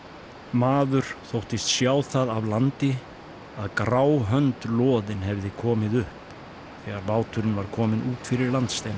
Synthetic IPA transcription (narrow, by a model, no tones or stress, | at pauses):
maːðʏɾ̥θowht̪ɪst̪sjaːwθaðavlant̪ɪ | aðkɾaːwɦœnt̪lɔːðɪnɦɛvðɪkʰɔːmɪðʏhp | θɛːɣaɾmaːwt̪ʰʏɾɪnvaɾ̥kʰɔːmɪnʔuːt̪fɪɾɪɾlant̪st̪ejna